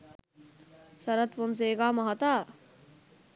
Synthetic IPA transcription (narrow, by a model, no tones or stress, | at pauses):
sɐɾɐt̪ʋoms̬eːkaːmɐɦɐt̪aː